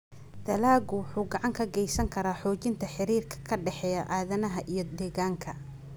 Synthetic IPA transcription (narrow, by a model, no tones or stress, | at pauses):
d̪̥ɐlaːɡʊwʊħuːɡɑʕɑŋkʰɐɡɛjsɐŋkʰɐɾaːħɔːt͡ʃɪnt̪ʰɐħɪɾiːrkʰɐ̥kʰɐɖɛħɛːjɐʔaːðɐnɐɦɐʔijɞd̪ɛːɣaːŋkʰɐ